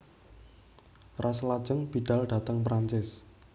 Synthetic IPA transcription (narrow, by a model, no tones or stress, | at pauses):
raslad̥ʒ̥əŋb̥i̤ɖ̥a̤lɖ̥a̤t̪əŋpɾaɲt͡ʃɪs